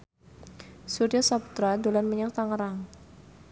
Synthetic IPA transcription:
suɾiasapu̥t̪ɾadolanməɲaŋt̪aŋəɾaŋ

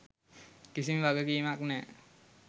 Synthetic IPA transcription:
kisimʋaɡəkiːmaknɛ

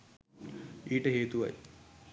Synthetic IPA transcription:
iːʈəɦeːt̪uʋa̰j

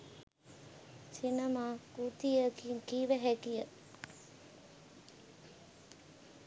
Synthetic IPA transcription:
sinəmaːut̪ijəkiŋkiːʋəɦækijə

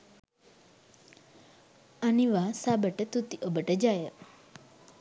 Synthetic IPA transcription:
aniʋasabəʈət̪ut̪iʔəbəʈəd͡ʒajə

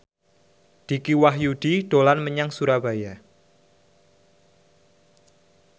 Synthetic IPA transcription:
d̪̥i̤kiwaɦjud̪̥iɖ̥olanməɲaŋsuɾaba̤ja

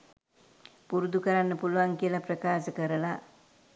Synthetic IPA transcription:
puɾud̪ukəɾanːəpuluʋaŋkijəlaprəkaːsəkəɾəla

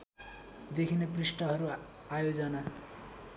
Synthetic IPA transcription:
d̪ekʰineprisʈʌɦʌɾu | ajod͡zʌna

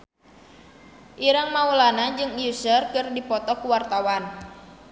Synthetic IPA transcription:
ʔiɾaŋmaulanad͡ʒɨŋjusərkɨrdipɔt̪ɔkuwart̪awan

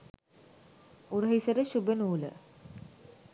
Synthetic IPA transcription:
uɾəɦisəɾəɕubənuːlə̰

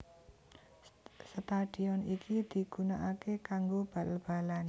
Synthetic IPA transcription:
sət̪aɖ̥i̤ɔnikid̪̥i̤ɡ̥ṳnaʔakekaŋɡob̥alb̥a̤lan

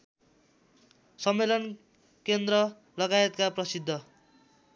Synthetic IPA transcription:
sʌmːelʌn | kend̪rʌ | lʌɡaet̪kaprʌsid̪ʱːʌ

